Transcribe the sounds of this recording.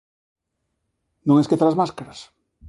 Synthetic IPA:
nõŋeskeθaɾazmaskaɾas

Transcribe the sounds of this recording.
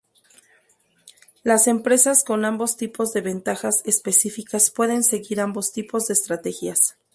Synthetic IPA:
lase̞mpɾe̞sasko̞nambo̞st̪ipo̞zðe̞βe̞nt̪axase̞spe̞sifikaspwe̞ðe̞nse̞ɣiɾambo̞st̪ipo̞zðe̞ːst̪ɾat̪e̞xjas

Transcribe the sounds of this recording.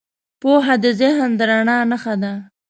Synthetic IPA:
poɦad̪əzɪɦnd̪əɾaɳɑnəxad̪a

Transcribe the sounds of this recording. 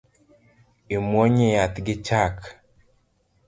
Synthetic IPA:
imwoɲejat̪ɡɪt͡ʃak

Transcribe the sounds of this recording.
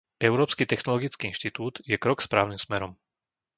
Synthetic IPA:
ɛʊɾɔːpskit̪ɛxnɔlɔɡit͡skiinʃt̪it̪uːd̪jɛkɾɔkspɾaːʊnimsmɛɾɔm

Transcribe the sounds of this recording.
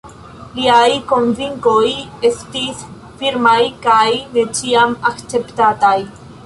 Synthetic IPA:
liajko̞nviŋko̞jestis | fiɾmajkajne̞t͡ʃiamakt͡se̞pt̪ataj

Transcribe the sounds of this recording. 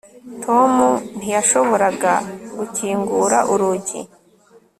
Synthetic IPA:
tʰo̞mun̥ijaʃo̞βo̞ɾaɡaɡuciːŋɡuɾaʔuɾuɟḭ

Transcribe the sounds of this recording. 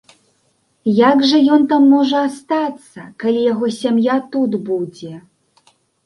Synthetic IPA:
jaɡʐɐjɔnt̪amːɔʐɐast̪at̪sːɐkalʲijaɣɔsʲamjat̪ud̪bud͡zʲɛ

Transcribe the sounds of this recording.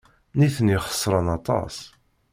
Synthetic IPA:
niθəniχə̥sˤːɾˤənɑt̪ˤɑ̰sˤ

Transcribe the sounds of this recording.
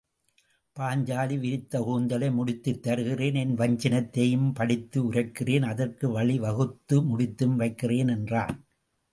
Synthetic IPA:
paːɲd͡ʒaːliʋɪɾɪt̪ːɐɣuːnd̪ɐlɐɪmʊɽɪt̪ːɯt̪ːɐɾɯɣɪreːnɛnʋɐɲd͡ʒɐnɐt̪ːɐjɯmpɐɽɪt̪ːɯʊɾɐkːɪreːnɐðɐrkɯʋɐɭiʋɐɣɯt̪ːɯmʊɽɪt̪ːɯmʋɐɪkːɪreːnɛndraːn

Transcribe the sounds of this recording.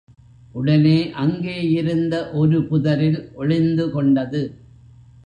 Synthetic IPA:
ʔʊɽɐneːʔɐŋɡeːjɪɾɯnd̪ɐʔɔɾɯpʊðɐɾɪlʔɔɻɪnd̪ɯkɔɳɖɐðɯ

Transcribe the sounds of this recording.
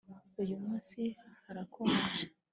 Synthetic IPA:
ujumuːnsihaɾakʰomeʒa

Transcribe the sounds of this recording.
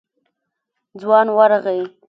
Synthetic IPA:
d͡zwɑnwaɾɣaj

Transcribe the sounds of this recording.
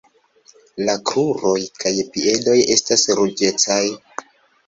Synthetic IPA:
lakɾuɾo̞jkajpie̞do̞je̞stasɾud͡ʒe̞t͡saj

